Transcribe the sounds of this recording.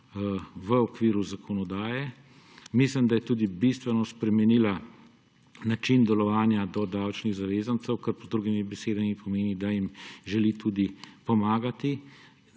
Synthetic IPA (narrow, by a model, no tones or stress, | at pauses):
ʋəɔkʋiːɾuzakʰɔnɔd̪aːjɛ | mislimd̪ajɛt̪uːd̪ibist̪ʋɛnɔspɾɛmɛnila | nat͡ʃind̪ɛlɔʋaːnjad̪ɔd̪awt͡ʃniɣzaʋeːzant̪sɛwkəɾpɔzd̪ɾuɡimibɛseːd̪amipʰɔmeːnid̪ajimʒɛlit̪uːd̪ipɔmaːɡat̪i